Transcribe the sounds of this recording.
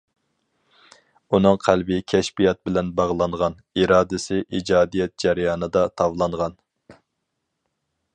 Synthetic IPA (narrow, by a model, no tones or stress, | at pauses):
unɨŋqʰælbɪkʲʰɛʃpijɑt̪̚bɪlɛnbɑʁlˠɑɴʁɑn | iɾɑːd̪ɪsɪʔid͡ʒɑːd̪ijɛt̪̚d͡ʒɛɾjɑːnɨd̪ɑt̪ʰɑvlˠɑɴʁɑn